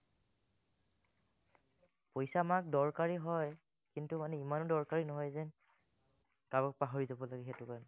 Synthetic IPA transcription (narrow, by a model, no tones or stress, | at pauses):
pojsamak̚dɔɹkaɹiɦɔj | kintumanɛimanɔdɔɹkaɹinɔɦɔjzɛ | kabɔk̚paɦoɹizabɔlaɡɛxɛtʊkan